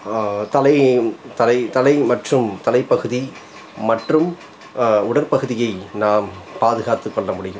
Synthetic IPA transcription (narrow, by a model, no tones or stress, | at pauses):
t̪ɐlɐɪt̪ɐlɐɪt̪ɐlɐɪmɐʈrɯmt̪ɐlɐɪpːɐɣɯði | mɐʈrɯm | ʊɽɐɾpɐɣɯðɪjɐɪnaːmpaːðɯɣaːt̪ɯkːɔɭːɐmʊɽɪjɯm